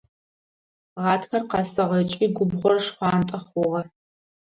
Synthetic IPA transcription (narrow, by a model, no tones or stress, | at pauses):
ʁɑːtxɐrqɑsɐʁɐt͡ʃʼiːɡʷʊbʁʷɔrʂχʷɑːntʼɐχʷʊʁɐ